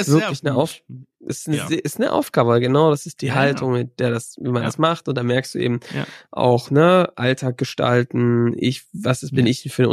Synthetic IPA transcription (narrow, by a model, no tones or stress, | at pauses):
vɪɐklɪçnəʔaʊfʔɛsnəzʔɪstnəʔa̰ʊfɡ̥aːbəalɡənaʊɾasɪst̚d̥iːɦaltʰʊŋmɪt̚d̥eːɐdasviːmandasmaχtʊnt̚d̥aːmɛɐkstd̥ṵːʔḛːbm̩ʔa̰ʊxnəʔaltʰaːk̚ɡ̥əʃta̰ltn̩ʔɪ̰çvasasb̥ɪnɪçd̥ɛnfyːɐdn̰